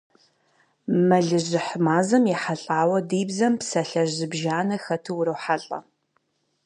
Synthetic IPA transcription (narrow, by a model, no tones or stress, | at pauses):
mɐɮɨʑɪħmaːzɐmjɛħaɬʼaːwɐdiːbzɐmpsɐɬɐʒɪbʒaːnɐxɐtʰɨwʊɾɐwħaɬʼɐ̰